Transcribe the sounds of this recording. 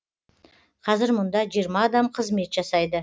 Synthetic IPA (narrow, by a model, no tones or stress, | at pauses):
qʰɑzɪɾmʊnd̪ɑʒijəɾmɑːd̪ɑmqʰəzme̞t̪ʒ̥ɑsɑjd̪ə